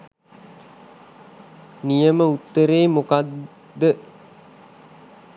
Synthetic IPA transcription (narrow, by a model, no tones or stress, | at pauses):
nijəməut̪ːəɾeːmokad̪ː | ə